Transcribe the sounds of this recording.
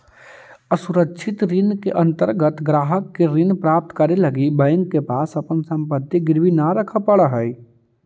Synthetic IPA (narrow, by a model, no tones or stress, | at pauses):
əsʊɾəkʃʰɪt̪ɾɪnkeʔɐ̃nt̪əɾɡət̪ɡɾaːɦəkːeɾɪnpɾaːp̚t̪kəɾelɐɡibəjə̃ŋɡkepaːsɐpənsə̃mpət̪ːiɡɪɾʋinaɾəkʰəpəɽaɦəi